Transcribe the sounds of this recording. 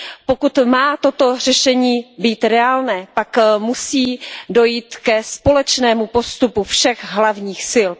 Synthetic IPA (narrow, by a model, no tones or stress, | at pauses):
pokut̪maːt̪o̞t̪o̞r̝ɛʃɛɲiːbiːt̪ɾɛaːlnɛːpakmusiːdo̞jiːt̪kɛspo̞lɛt͡ʃnɛːmupo̞st̪upufʃɛɣɦlavɲiːxsɪl